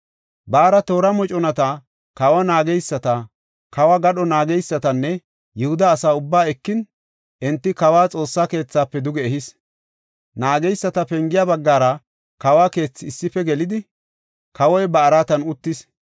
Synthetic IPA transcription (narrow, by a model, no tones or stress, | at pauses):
baːɾɐt̪o̞ːɾɐmɔt͡ʃʼɔnɐt̪ɐ | kɐwɐnaːɡɛjsːɐt̪ɐ | kɐwɐɡɐɗɔnaːɡɛjsːɐt̪ɐnːɛ | jɪhʊd̪ɐːsaːʊbːaːɛkːɪn | ʔɛnt̪ːɪkɐwaːt͡sʼo̞ːsːaːke̞ːt͡sːaːpːɛd̪ʊɡɛːhɪs | naːɡɛjsːɐt̪ɐpɛŋɡɪjabɐɡːaːɾɐ | kɐwaːke̞ːt͡sːɪːsːɪfɛɡɛlɪd̪ɪ | kɐwɔjbɐːɾat̪ɐnʊt̪ːɪs